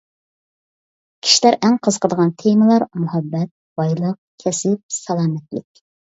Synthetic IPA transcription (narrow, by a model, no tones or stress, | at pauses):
kʲʰi̥ʃilæɾʔæŋqʰəzə̥qʰəd̪əʁɑnt̪ʰeməlˠɑɾmʊhɛbːɛt̪̚b̥ɑjlˠəq̚ | kʲʰɛsɪp̚sɑlˠɑːmɛt̪lɪ̰kʲ